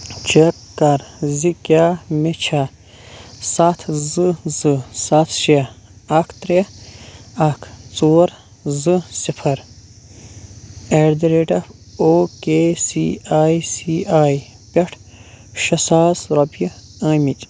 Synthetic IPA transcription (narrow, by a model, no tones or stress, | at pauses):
t͡ʃɐkːɐɾzikʲjaːmet͡ʃʰa | sat̪ʰzɨzɨsat̪ʰʃe | ɐkʰt̪ɾe | ɐkʰt͡soːɾ | zɨsipʰɐɾ | eɾd̪iɾeːʈɐf | oːkeːsiaːjsiaːj | pɐʈʰ | ʃɐsaːsɾɐbji | ɐːmit͡ʃ